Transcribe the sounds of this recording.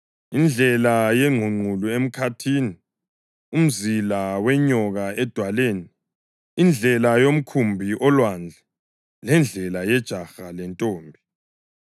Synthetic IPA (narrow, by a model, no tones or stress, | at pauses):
ind͡ɮʱɛlajɛŋʱuŋ͡ǃʱuluem̩kʰatʰiːni | um̩zilawɛɲɔɣaɛd̥ʱwaleːniː | nd͡ɮʱɛlajom̩kʰumbʱiʔɔlwand͡ɮʱɛ | lɛnd͡ɮʱɛlajɛd̥ʒ̥ʱaxalɛntʼoːmbʱi